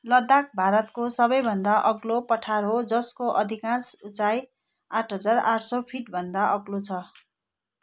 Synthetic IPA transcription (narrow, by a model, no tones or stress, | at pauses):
lʌd̪ak̚bʱaɾʌt̪kosʌbʌjbʱʌnd̪aʔʌɡlopʌʈʰaɾɦod͡zʌskoʔʌd̪ʱikãsut͡saj | aʈʰɦʌd͡zaraʈʰsʌpʰiʈbʱʌnd̪aʔʌɡlot͡sʰʌ